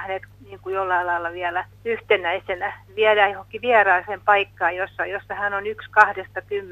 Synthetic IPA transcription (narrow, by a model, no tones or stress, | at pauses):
net̪niːŋkujolːɑilɑilːɑʋiælæ | yht̪enˑæisenæʋiælæjohoŋkiʋiærɑːsempɑikːɑːjosːɑjosːɑhænonykskɑhdest̪ɑkymː